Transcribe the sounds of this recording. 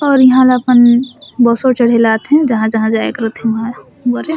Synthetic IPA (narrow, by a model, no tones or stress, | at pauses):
ɔːɾjiɦãleəpənbɔsot͡ʃəɽ̤ɦelat̪ɦɛ̃d͡ʒəɦãd͡ʒəɦãd͡ʒaḛkəɾət̪ɦɛ̃ʋəɦã | bəɾe